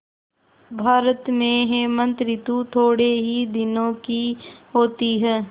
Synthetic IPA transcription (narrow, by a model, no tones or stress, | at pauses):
bʱaːɾət̪mẽɦemə̃nt̪ɾɪt̪ut̪ʰoːɽeɦid̪ɪnõkiɦoːt̪iɦɛː